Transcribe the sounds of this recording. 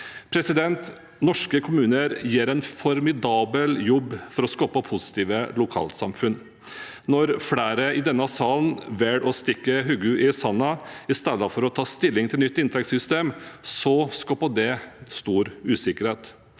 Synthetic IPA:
pʰɾɛsɪd̪ɛnt̪ | nɔʂkəkʰʊmʉːnəɾjeːɾɛnfɔɾmɪd̪ɑːbəljɔbːfɔɾɔskɔpɑpʰʊsɪ̥t̪iːʋəlʊkʰɑ̰ːlt̪sɑmfʉn | nɔɾfɽæːɾəɪd̪ɛnːɑsɑːlnʋɛɽɔst̪ɪkːəɦʉːɡʉʔɪsɑnːɑɪst̪eːd̪əfɔɾɔt̪ʰɑːst̪ɪlːɪŋt̪ʰɪlnʏt̪ːɪnt̪ʰɾɛksʏst̪eːmsɔskɑpɔd̪ɛst̪uːɾʉːsɪkəɾheːt̪

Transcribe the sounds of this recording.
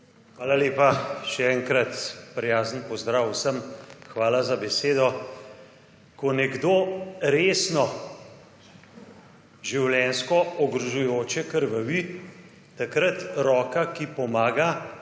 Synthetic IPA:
xʋaːlaleːpaʃɛɛŋkɾɐt̪pɾɛjaːzənpɔzd̪ɾaːwsəmxʋaːlazabɛseːd̪ɔ | kɔnɛɡd̪oːɾeːsnɔ | ʒiwljɛnskɔɔɡɾɔʒujoːt͡ʃɛkəɾʋəʋi | t̪akɾət̪ɾɔːkakipɔmaːɡa

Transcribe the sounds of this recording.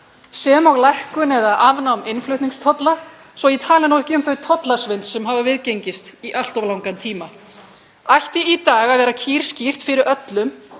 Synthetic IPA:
sɛmawɣlajhkʏnɛðaðʔavnaɔmɪnflʏɥt̪niŋst̪ʰɔt̪la | svɔjit̪ʰaːlɪnowhcɪʏmθœɥt̪ʰɔt̪lasvɪnt̪sɛmɦavavɪðceɲcɪst̪iʔal̥t̪ɔvlawŋkant̪ʰiːma | ajht̪ɪit̪aːɣaðvɛːɾacʰiːɾ̥scir̥t̪fɪɾɪɾœt̪lʏm

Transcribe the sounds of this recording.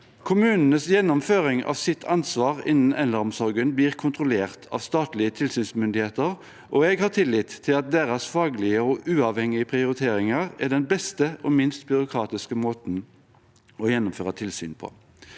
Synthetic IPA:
kʰʊmʉːnn̩əsjɛnːʊmføːʁɪŋʔɑ̰ʋsɪt̪ʰːɑnsʋɑːʁɪ̰nn̩ɛnləʁɔmsɔʁɡənbliːʁkʰʊnt̪ʁʊleːʁt̪ʰɑ̰ːʋst̪ɑːt̪lɪət̪ʰɪlsyːnsmʏnd̪ɪheːt̪əʁ | ʔɔɛɡhɑt̪ʰɪlːɪt̪ʰːɪlɑt̪̚d̪eːʁɑsfɑːɡlɪəɔʔʉːɑʋhɛŋɪəpʰʁɪʊɾɪt̪ʰeːɾɪŋɑʁæʁɖ̪ɛnbɛst̪əʔɔmɪnst̪bʏʁʊkʰʁɑːt̪ɪskəmoːt̪n | ɔjɛnːʊmføːʁət̪ʰɪlsy̰ːnpʰo̰ː

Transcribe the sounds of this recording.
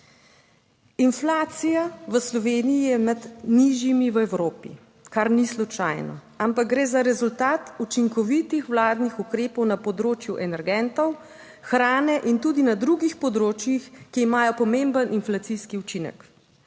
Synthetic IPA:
inflaːt̪sijaʋəslɔʋeːnijijɛmad̪niʒjimiʋəɛwɾoːpḭ | kaɾnislut͡ʃa̰ːjnɔ̰ | ampak̚ɡɾeːzaɾɛzult̪aːt̪ut͡ʃiŋkɔʋit̪ixʋlaːd̪nixukɾeːpɔwnapɔd̪ɾoːt͡ʃjuʔɛnɛɾɡɛnt̪ɔw | xɾaːnɛʔint̪uːd̪inad̪ɾuɡixpɔd̪ɾoːt͡ʃjixkiːmaːjɔpɔmembənʔinflat̪siskiut͡ʃinɛ̰k

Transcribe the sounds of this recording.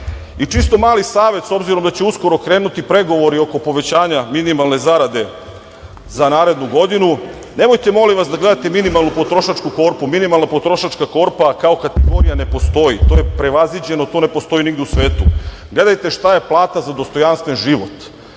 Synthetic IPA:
it͡ʃist̪o̞maːlisaːʋe̞t̪so̞bziɾo̞md̪at͡ɕeusko̞ɾokɾe̞ːnut̪ipɾe̞ɡo̞ʋo̞ɾio̞ko̞po̞ʋe̞t͡ɕaːɲaminimalˠne̞zaɾad̪e̞ | zanaːɾe̞d̪nuɡo̞d̪inu | ne̞mo̞jt̪e̞mo̞limʋasd̪aɡle̞d̪at̪e̞minimalˠnupot̪ɾo̞ʃat͡ʃkuko̞ːɾpuminimalˠnapo̞t̪ɾo̞ʃat͡ʃkako̞ɾpakao̞kat̪eɡo̞ɾijane̞po̞st̪o̞jit̪o̞je̞pɾe̞ʋazʋid͡ʑe̞no̞t̪o̞ːne̞po̞st̪o̞jiniɡd̪eusʋe̞ːt̪u | ɡle̞d̪ajt̪e̞ʃt̪aje̞plˠaːt̪azad̪o̞st̪o̞janst̪ʋe̞nʒiʋo̞t̪

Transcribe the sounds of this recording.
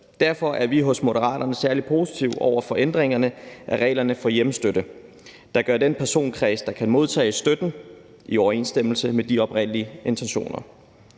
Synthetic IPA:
d̥æɐfɒ̽ʔæɐʋiɦɔ̽smo̝ɾəʁɑ̰̈ːd̥ɐnəsæɐlipʰo̝ːsi̥t͡sʰiʊ̰ɒ̰ʊ̰ɐfɒ̽ʔend̥ʁeŋɐnəʔæʁɛ̰ːɪlɐnəfɒ̽jemsd̥øɾ̥ə | d̥ɑ̈ɡ̥ɶɐd̥enpʰæɐso̝̰ːnkʰʁɛːsd̥ɑ̈kʰænmo̝ð̞ˠt͡sʰɛ̰ːsd̥ød̥n̩ | iɒʊɐe̝ːnsd̥em̰l̩səmed̥iɒ̽b̥ʁen̰liəe̝nt͡sʰenɕo̝̰ːnɐ

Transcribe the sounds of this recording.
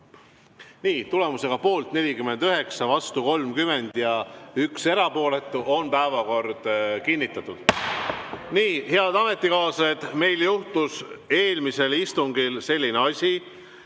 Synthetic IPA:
niːt̪ule̞muse̞ɡ̥ɑpo̞ːlt̪ne̞lʲikymːe̞nd̪yɦe̞ksɑvɑst̪uko̞lmkyme̞nd̪̥jɑykse̞ɾɑpo̞ːle̞t̪ːˑuʔo̞npæevɑko̞ɾd̪̥kinʲːit̪ːˑɑt̪ːˑud̪̥ | niːhe̞ɑd̪̥ɑme̞t̪ːˑikɑːsed̪̥me̞jljuht̪use̞ːlmise̞list̪uŋɡilse̞lʲːineɑsʲi

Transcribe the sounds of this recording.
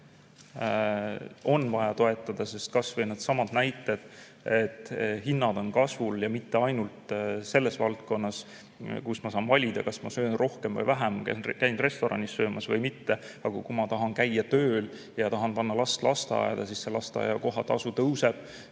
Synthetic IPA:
o̞nːvɑjɑt̪o̞e̞t̪ːˑɑd̪̥ɑse̞st̪̚kɑsvɤjned̪sɑmɑd̪̥næjt̪ːˑe̞d̪̥ | et̪ːˑhinːɑd̪̥o̞nkɑsvuljɑmit̪ːe̞ɑjnult̪se̞lːe̞svɑlt̪ko̞nːɑs | kusmɑsɑːnvɑlʲid̪̥ɑ̰kɑsmɑsøːnro̞hkemvɤjvæɦæmkkæjnre̞st̪o̞ɾɑ̰nisːø̞ːmʔɑsvɤjmit̪ːe̞ | ɑɡ̥ɑkumɑt̪ɑɦɑnkæjːɑt̪ø̞ːl | jɑt̪ɑɦɑnpɑnːɑlɑst̪lɑst̪eɑ̰jḛd̪̥ɑsisse̞lɑst̪eɑ̰jɑko̞ɦɑt̪ɑ̰sut̪ɤwse̞b̥

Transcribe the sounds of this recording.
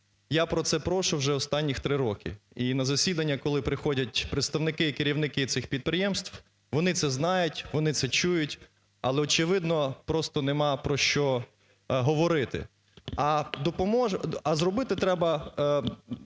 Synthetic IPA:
japɾɔt̪sɛpɾɔʃʊwʒɛɔst̪ɑnʲːixt̪ɾɪɾɔkɪ̰inɐzɐsʲid̪ɐnʲːɐkɔlˠɪpɾɪxɔdʲɐtʲpɾet̪st̪ɐwnɪkɪikeɾʲiwnɪkɪt̪sɪxpʲid̪̚pɾɪjɛmst̪w | ʋɔnɪt̪sɛznɑjʊtʲʋɔnɪt̪sɛt͡ʃujʊtʲ | ɐlˠɛɔt͡ʃɪʋɪd̪nɔpɾɔst̪ɔnemɑpɾɔʃt͡ʃɔ | ɦɔʋɔɾɪt̪ɪ̰ | ɐd̪ɔpɔmɔʒɐzrɔbɪt̪ɪt̪ɾɛbɐ

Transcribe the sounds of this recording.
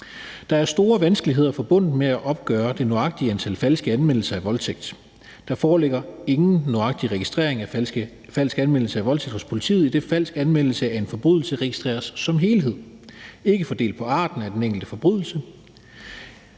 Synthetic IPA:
d̥ɑ̈æɐsd̥o̝ːɐʋænsɡ̥əliɦe̝ð̰ˠɐfɒ̽b̥ɔ̽n̰d̩ˠmeæʔɒ̽b̥ɡ̥œːɐd̥e̝noɑ̈ɡ̥̚d̥iænt͡sʰæl̰fæl̰sɡ̥əænmen̰l̩sɐæʋɒ̽lt͡sʰeɡ̥̚d̥ | d̥ɑ̈fɒːleɡ̥ɐe̝ŋn̩nːoɑ̈ɡ̥̚d̥iʁɛɡ̥isd̥ʁḛɐ̰eŋæ | fæl̰sɡ̥ænmen̰l̩səæʋɒ̽lt͡sʰeɡ̥̚hɒ̽spʰo̝lit͡sʰḭːð̩ˠid̥e̝fæl̰sɡ̥ænmen̰l̩səæe̝nfɒ̽b̥ʁyð̞ˠl̩səʁɛɡisd̥ʁɛ̰ːɐsːɒ̽mɦe̝ːlɦe̝ð̞̰ˠ | e̝ɡ̥əfɒ̽d̥e̝̰ld̥̚pʰɒ̽ɑ̰̈ːd̥n̩æd̥eneŋɡ̥l̩d̥əfɒ̽b̥ʁyðˠl̩sə

